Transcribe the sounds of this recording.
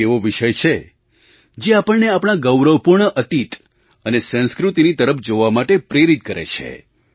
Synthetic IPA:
eʋoʋiʃəjt͡ʃʰe | d͡ʒeapəɳneapɽ̃aɡəwɾəʋpuɾɳəʔət̪it̪ | ənesə̃skɾut̪init̪əɾəpʰd͡ʒoʋamaʈepɾeɾit̪̚kəɾḛt͡ʃʰḛ

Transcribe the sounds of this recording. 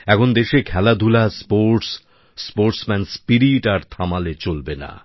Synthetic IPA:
ɛkʰond̪eʃekʰɛlad̪ʱulaspoɾʈsː | poɾʈsmɛnspiɾiʈaɾt̪ʰamalet͡ɕolbena̰

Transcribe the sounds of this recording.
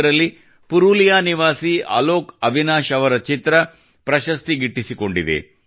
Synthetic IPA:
ɾɐlːi | puɾulijaːniʋaːsia̰ːloːkɐʋinaːʃɐʋɐɾɐt͡ʃit̪ɾɐ | pɾɐʃɐst̪iɡiʈːisiko̞ɳɖid̪ḛ

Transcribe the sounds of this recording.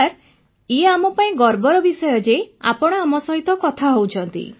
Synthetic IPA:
ɾ | ieamɔpaĩɡɔɾbɔɾɔbisɔjɔd͡ʒea̰pɔɽ̃ɔamɔsɔɦit̪ɔkɔt̪ʰaɦowt͡ʃʰɔnt̪ḭ

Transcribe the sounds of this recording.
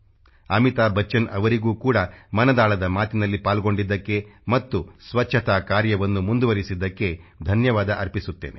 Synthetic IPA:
ɐmit̪aːbɐt͡ʃːɐnɐʋɐɾiɡuːkuːɽɐmɐnɐd̪aːɭɐd̪ɐmaːt̪inɐlːipaːlɡo̞ɳɖid̪ːɐkːe̞mɐt̪ːusʋɐt͡ʃːʃʰɐt̪aːkaːɾjɐʋɐnːumund̪uʋɐɾisid̪ːɐkːe̞d̪ʱɐnjɐʋaːd̪ɐʔɐɾpisut̪ːḛːne

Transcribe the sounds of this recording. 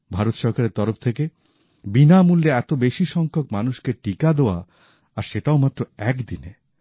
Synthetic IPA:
bʱaɾot̪ʃɔɾkaɾeɾt̪ɔɾoft̪ʰeke | binamulːeɛt̪obeʃiʃɔŋkʰokmanuʃkeʈikad̪eoa̰ | aɾʃeʈaomat̪ːɾoɛkd̪ine

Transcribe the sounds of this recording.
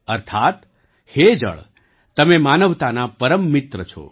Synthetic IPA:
əɾt̪ʰat̪ | hed͡ʒə̰ɭː | əmemanəʋt̪anapəɾəmːit̪ɾət͡ʃʰo̰

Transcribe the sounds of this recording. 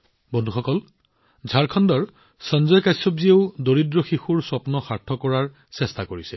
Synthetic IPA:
bondʱuxɔkɔl | zʱaɹkʰɔndɔɹ | sɔnzɔjkajsɔbzieʊdoɹidɹɔxixuɹsɔpnɔxaɹtʰɔkɔɹaɹ | sɛstakoɹisɛ

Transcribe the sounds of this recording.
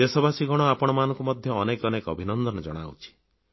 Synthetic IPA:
esɔbʱasiɡɔɽ̃ɔapɔɽ̃ɔmanɔŋkumɔd̪ʱjɔːnekɔnekɔbʱinɔnd̪ɔnɔd͡ʒɔ̰ɽ̃a̰wt͡ʃʰi̥

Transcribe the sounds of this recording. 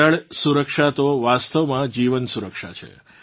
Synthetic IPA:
əɭsuɾəkʂat̪oʋast̪əʋmãd͡ʒiʋənsuɾəkʃa̰t͡ʃʰḛ

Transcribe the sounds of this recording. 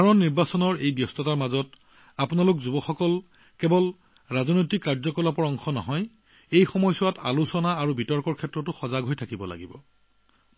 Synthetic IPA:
dʱaɹɔnnːiɹbasɔnɔɹejbjɔstɔtaɹmazɔt | apʊnalʊkzubɔxɔkɔl | kɛbɔl | ɹazɔnojtikːaɹzɔkɔlapɔɹɔŋxɔnɔ̰ɦɔj | ejxɔmɔjsʊwata̰lusɔnaːɹubitɔɹkɔɹkʰɛtɹɔtʊxɔzaɡɦojtʰakibɔla̰ɡibɔ̰

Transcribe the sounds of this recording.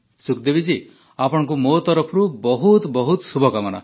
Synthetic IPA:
sukd̪ebid͡ʒi | apɔɽ̃ɔ̃ŋkumot̪ɔɾɔpʰɔɾubɔɦut̪bɔɦut̪subʱɔkamɔña̰

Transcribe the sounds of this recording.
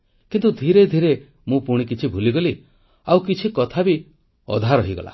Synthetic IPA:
kint̪ud̪ʱiɾed̪ʱiɾe | mũpuɽ̃ik̬it͡ʃʰibʱuliɡɔli | awkit͡ʃʰikɔt̪ʰabi | ɔ̰d̪ʱaɾɔɦiɡɔ̰la̰

